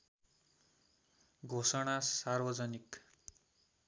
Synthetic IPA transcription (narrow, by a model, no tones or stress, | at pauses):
ɡʱosʌɽ̃asarbʌd͡zʌnik